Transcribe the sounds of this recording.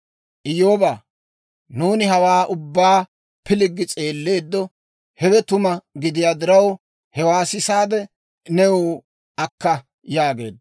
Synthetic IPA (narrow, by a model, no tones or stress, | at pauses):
ʔɪjoːbaː | nuːnɪɦɐwaːʔʊbːaː | pɪlɪɡːɪt͡sʼe̞ːlːe̞ːd̪ːɔ | hɛwɛt̪ʊmɐɡɪd̪ɪjaːd̪ɪɾɐw | hɛwaːsɪsaːd̪ɛ | nɛwoː | ɐkːɐ | jaːɡe̞̰ːd̪